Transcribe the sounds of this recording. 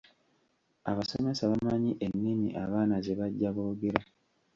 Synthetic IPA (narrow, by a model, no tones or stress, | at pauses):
aβasome̞saβamaɲiʔenːimḭʔaβaːnazeβaɟːaβoɡeɾa